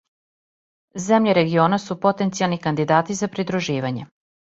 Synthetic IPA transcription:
zemʎeɾe̞ɡio̞ːnasupo̞t̪ent̪sialˠnikand̪id̪aːt̪izapɾid̪ɾuʒiːʋaɲe

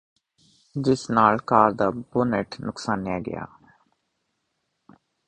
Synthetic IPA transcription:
d͡ʒɪsnaːlkaːɾd̪aːbʊːneʈnʊksaːnːɪjaːɡə̰ja̰ː

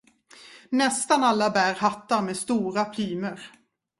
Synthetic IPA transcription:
nɛst̪analːabæːɾhat̪ːaɾmeːst̪uːɾapʰlyːməɾ

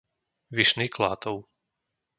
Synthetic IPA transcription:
ʋiʃniːkla̰ːt̪ɔʊ

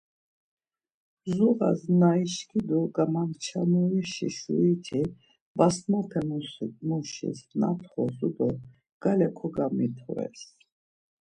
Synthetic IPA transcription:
zuʁa̰znaiʃkʰid̪uɡamaŋt͡ʃʰanuɾiʃḭʃuit̪ʰi | basmapʰɛmusit̪muʃḭsna̰t̪ʰχɔzud̪ɔ | ɡ̥alɛkʰɔɡamit̪ʰɔ̰ɾɛ̰s

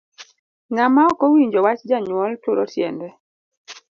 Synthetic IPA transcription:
ŋamaɔkɔwiɲd͡ʒɔwat͡ʃd͡ʒaɲwɔltʊɾɔtjɛ̰ndɛ

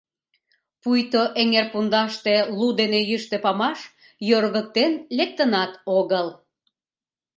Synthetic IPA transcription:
pujt̪oʔeŋerpund̪ɑʃt̪elud̪enejyʃt̪ĕpɑmɑʃ | jøɾɣək̚t̪enlek̚t̪ənɑt̪oɣəl

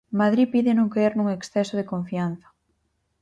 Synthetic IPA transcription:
mað̞ɾipiðɪnũŋkeeɾnũŋeksθɛsoð̞ekoɱfian̟θɐ̥

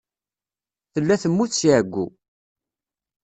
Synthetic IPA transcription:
θəlːæθəmːuθsiʕəɡʷːṵ

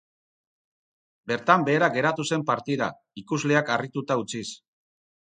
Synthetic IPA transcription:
be̞ɾt̪ambe̞ːɾaɡe̞ɾat̪use̞mpaɾt̪iða̰ | ikuzle̞akarit̪ut̪aut͡sis

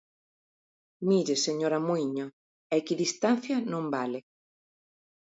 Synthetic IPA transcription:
miɾeseɲoɾamuiɲo | ɛkiðist̪an̟θjɐnõmbale

